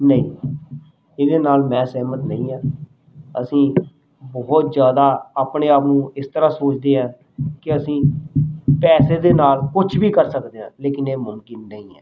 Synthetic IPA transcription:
nəḭ̃ː | ɪd̪eːnaːlmɛ̃ːsɛːmət̪nəĩːaː | əsĩː | bɔːt̪zjaːd̪aːaːpɳeːaːpnũːɪst̪əɾãːsoːt͡ʃd̪eːɦãː | kɪəsĩː | pɛːseːd̪eːnaːlkʊt͡ʃʰbiːkəɾsəkd̪eːɦã̰ːleːkɪneːmʊmkɪnːəĩːɛ̰ː

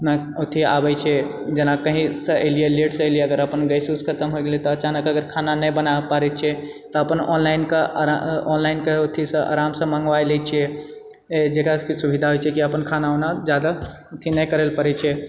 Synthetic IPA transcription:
na | ot̪ʰia̰bɛt͡ʃʰɛ | d͡ʒenakəɦĩsə̃əelieleʈsəlieəɡəɾəpənɡəjsuskʰət̪əmɦoiɡelit̪ɔət͡ʃanəkəɡəɾkʰananɛjbənapaɾɛt͡ʃʰɛt̪ɔəpənɔ̰nlainkeɔnlaɪinkeot̪ʰisə̃ʔa̰ɾamsə̃məŋɡʋajlɛt͡ʃʰɛ | d͡ʒekakisubʱid̪ʱaɦojt͡ʃʰɛkiəpənkʰanaonad͡ʒjad̪a | ot̪ʰinəjkəɾəlpəɾɛt͡ʃʰɛ

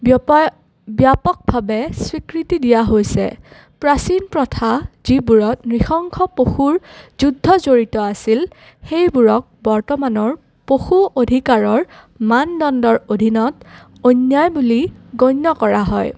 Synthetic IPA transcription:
bjapɔk̚bʱabɛswikɹitidijaɦojsɛ̰ | pɹasinpɹɔtʰaz̥ibuɹɔtnɹixɔŋkʰɔpoxuɹzudʱːɔzoɹitɔasil | xejbuɹɔk̚bɔɹtɔmanɔɹ | poxuodʱikaɹɔɹ | mandɔndɔɹodʱinɔt | ojnjajbuliɡojnːɔkɔɹaɦɔ̰j

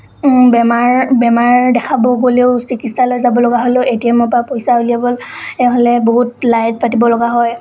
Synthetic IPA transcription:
bɛmaɹbɛmaɹdɛkʰabɔɡoleʊsikitsalojzabɔlɔɡaɦoleetiɛmɔpɹapojsaolijabɔleɦolɛboɦut̚lajt̚patibɔlɔɡaɦɔj

